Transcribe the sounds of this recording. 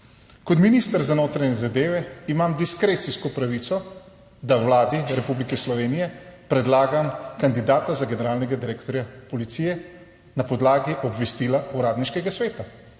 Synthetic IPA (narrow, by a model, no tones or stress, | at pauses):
kɔt̪minist̪əɾzanoːt̪ɾaɲɛzad̪eːʋɛimamd̪iskɾeːt̪siskɔpɾaʋit̪sɔ | d̪awlaːd̪iɾɛpublikɛslɔʋeːnijɛpɾɛd̪laːɡamkand̪id̪aːt̪azaɡɛnɛɾaːlnɛɡad̪iɾeːkt̪ɔɾjapɔlit̪sijɛ | napɔd̪laːɡiʔɔbʋɛst̪iːlauɾaːd̪niʃkɛɡasʋeːt̪a